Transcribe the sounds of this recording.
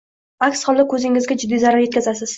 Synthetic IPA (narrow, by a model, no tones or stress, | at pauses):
akʲsχɒlˠd̪akʰɵzɪŋɪzɡʲad͡ʒʊd̪ːizaɾaɾje̞t̪kʰʲazasɪz̥